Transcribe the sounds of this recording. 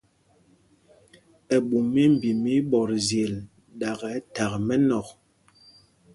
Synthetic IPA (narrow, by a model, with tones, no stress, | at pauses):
ɛ˨ɓu˨mi˦m̩˨bi˨mi˦ɓɔ˨ɾzje˨l | ɗa˨ɣɛ˨˦ta˨ɣmɛ˦nɔ˨k̚